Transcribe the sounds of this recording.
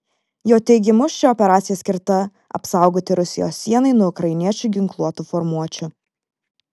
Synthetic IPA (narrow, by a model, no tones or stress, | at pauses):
joːt̪ʲɛɪɡʲɪmʊst͡ʃʲɪɔpʲɛɾaːt̪sʲɪjɛsʲkʲɪɾt̪ɐ | ɐ̰psɑˑʊɡoːt̪ʲɪɾʊsʲɪjo̰ːsːʲiɛnɐɪnuɔʊkɾɐɪnʲiɛt͡ʃʲʊˑɡʲɪŋklˠuɔt̪uːfɔɾmuɔt͡ʃʲʊ